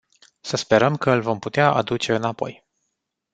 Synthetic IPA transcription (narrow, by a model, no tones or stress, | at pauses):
səspe̞ɾəmkəɨlvo̞mput̪eaʔa̰d̪ut͡ʃe̞ɨnapo̞̰j